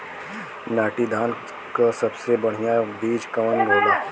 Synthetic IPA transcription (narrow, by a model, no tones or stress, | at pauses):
naːʈid̪ʱaːn | kasɐbsebɐɽ̤ijab̪iːd͡ʒkɐmənɡʱoːlaː